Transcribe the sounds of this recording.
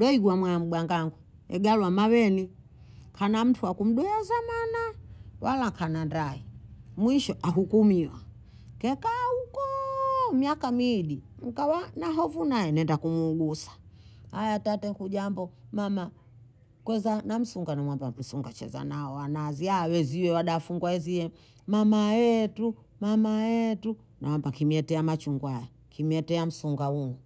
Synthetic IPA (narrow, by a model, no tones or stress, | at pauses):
dɔiɡwamwanam̩ɡwaŋɡaŋɡwɛ | ɛ̰ɡalwamawɛni | kʰanam̩tʰuakum̩ɗɔɛzamanawalakʰanandaimwiʃɔʔaɦukumiwa | kɛkaukɔmiakamiɗiŋ̩kawanaɦɔvunajɛnɛndakumuːɡusḁhajatatɛkuʄambɔmama | kwɛzanam̩suŋɡanamwambam̩suŋɡat͡ʃɛ̰za̰naɔwanaziaːwɛziwɛwaɗaːfuŋɡwaɛziɛ | mamajɛtu | mamajɛtu | nawambakimɛtɛamat͡ʃuŋɡwaja | kimɛtɛam̩suŋɡauŋɔ